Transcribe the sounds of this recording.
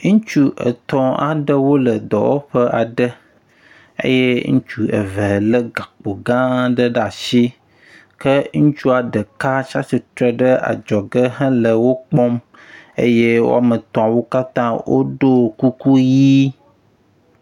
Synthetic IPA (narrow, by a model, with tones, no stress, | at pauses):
ŋũ˦t͡ʃu˦ʔə̰˨t̪ɔ̃˦a̰˨ɖə˦wo˦lə˨d̪ɔ̰˨wo̰˦ɸə˦ʔa˨ɖə˦ | ə̰˦je˦ŋũ˦t͡ʃu˨ə̰˨və˨lə˦ɡa˨k͡po˨ɡã˦ɖə˦ɖa˨ʃi˦ | kə˦ŋũ˦t͡ʃu˦a˨ɖə˨ka˦t͡ʃa˦si˨t̪ɾɛ˦ɖə˦ʔa̰˨d͡ʒɔ˨ɡə˦ɦə̃˦lə˨wo˦k͡pɔ˦m | ə̰˦je˦wo̰˦a˨mə˨t̪ɔ̃˨a˨wo˦ka˦t̪ã˦wʔo̰˦ɖo˦˨ku˦ku˦ji˦